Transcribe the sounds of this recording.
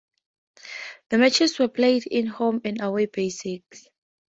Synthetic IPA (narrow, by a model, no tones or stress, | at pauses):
ðəmɛt͡ʃɛswɛpʰlejdĩnhõmɛ̃nawebesiks